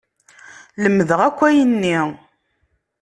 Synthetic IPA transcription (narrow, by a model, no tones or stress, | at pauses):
ləmːðəʁækʷːæjənːi